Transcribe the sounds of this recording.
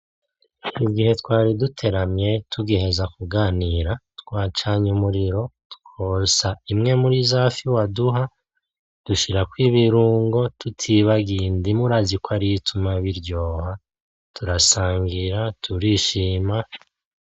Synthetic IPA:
iɡihe̞twaːɾidutʰe̞ɾamɲe̞tʰuɡehe̞zakuɡaːniːɾatkwaːt͡ʃaːɲumuɾiɾo̞tu̥kʰosaimŋe̞muɾizaːfiwaduɦa | d̥uʃiɾakwiːβiɾuːŋɡo̞tʰutʰiβaɡiːndimuɾazikwaɾitʰumaβiɾɟo̞ːha | tuɾasaːŋɡiɾatʰuɾiːʃiːma

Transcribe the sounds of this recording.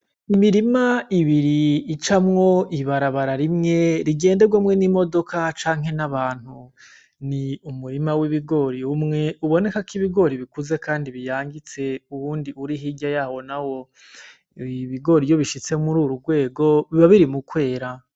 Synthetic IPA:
imiɾimaiβiɾiːt͡ʃamŋo̞iβaɾaβaɾaɾimŋe̞ɾiɡe̞ːnde̞ɡwamŋe̞nimo̞do̞kʰat͡ʃaːŋɦe̞naβaːn̥hu | niumuɾimawiβiɡo̞ɾiumŋe̞uβo̞ne̞kakiβiɡo̞ɾiβikuze̞kaːndiβijaːŋɡit͡se̞uwuːndiuɾiɦiɟajaːwo̞nawo̞ | iβiɡo̞ɾijo̞βiʃit͡se̞muɾuːɾuɾɡwe̞ːɡo̞βiβaβiɾimukwe̞ːɾa

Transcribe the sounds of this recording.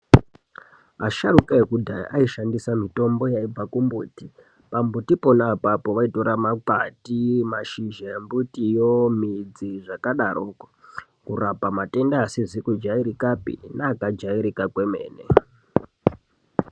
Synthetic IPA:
a̰ʃaɾukaekudʱa̰ʔaiʃandisamito̞mbo̞jaib͡vakumbuːti | pambutiponapapo̞ʋaito̞ɾamakatimaʃiʒambutijomid͡ziʐakaɗaroko | kurapamate̞ndaːsizikud͡ʒaiɾikapḭnaːkad͡ʒaiɾikakwemḛːnḛ

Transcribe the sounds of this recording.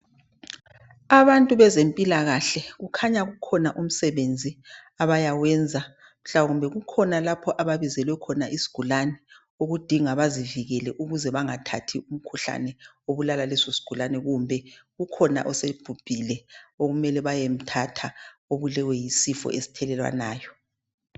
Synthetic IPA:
aβantʼuβɛzempʼilaɣaɬɛɣukʰaɲaɣukʰɔnaʔum̩sɛβend͡zʱi | aβajawɛnd͡zʱa | m̩ɬawaɣumbʱɛɣukʰɔnalapʰɔʔaβaβizɛlwɛkʰɔnaʔisi̥ɡ̥ʱulanɛ | oɣud̥ʱiŋaβaziviɣɛlɛʔuɣuzɛβaŋatʰatʰium̩kʰuɬa̰nɛ | oβulalalɛsosi̥ɡ̥ʱulanɛɣumbʱɛɣukʰɔna̰ʔɔseb̥ʱub̥ʱilɛoɣumɛlɛβajem̩tʰatʰaoβulɛwɛjisifɔ̰ʔesi̥tʰɛlɛlwa̰naːjɔ

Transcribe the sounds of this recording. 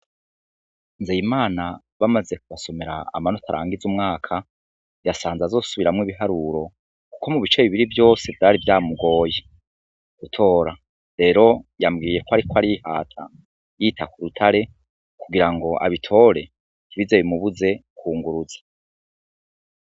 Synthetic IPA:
nzejimaːna | βamaze̞kuβaso̞me̞ɾa̰a̰mano̞tʰaɾa̰ːŋɡizumŋaːkʰa | jasaːnzazo̞ːsuβiɾamŋwiβiɦaɾuɾo̞ | ku̥ko̞muβit͡ʃe̞βiβiɾivjo̞ːse̞vjaːɾivjaːmuɡo̞ːje | ɡ̥utʰo̞ːɾa | ɾe̞ːɾo̞jamɡiːje̞koaɾikoaɾiha̰ːtʰa̰ | jitʰakuɾutʰaɾe̞ | kuɡiɾaŋɡo̞ʔa̰βitʰo̞ɾe̞ | niβizeβimuβuze̞kʰuːŋɡuɾuzḁ

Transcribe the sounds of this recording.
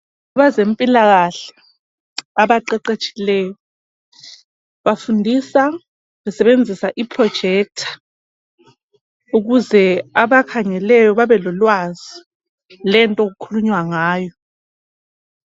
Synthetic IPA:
aβazempʼilaɣaɬɛ̥ | aβaǃɛǃet͡ʃʼilɛːjɔ | βafundʱisa | wɛsɛɓend͡zʱisaʔipʰʼrɔd̥ʒ̥ʱɛk̚tʰḁ | uɣuzɛaβakʰaŋɛlɛjɔβaβɛlɔlwazi | lɛntʼɔk̬ukʰuluɲwaŋaːjɔ

